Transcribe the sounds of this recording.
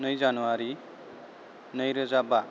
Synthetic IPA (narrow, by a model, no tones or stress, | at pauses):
nʌjzanuwaɾi | nʌjɾəzaba